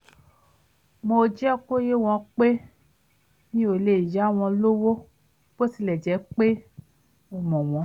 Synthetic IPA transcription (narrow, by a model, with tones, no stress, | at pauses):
mõ˧d͡ʒɛ˦ɔ˦˨ko˦je˦˨w̃ɔ̃˧k͡pe˦ | nĩ˦o˨le˨i˨ja˨˦˨w̃ɔ̃˧lo˦wo˦ | b̥o˦si˧lɛ˨d͡ʒɛ˨˦k͡pe˦ | ɔ˨mɔ̃˨w̃ɔ̃˨˧˦